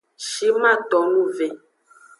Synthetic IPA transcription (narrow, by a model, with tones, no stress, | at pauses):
ʃi˨˦mã˦˨tɔ˨˦nũ˦˨ve˨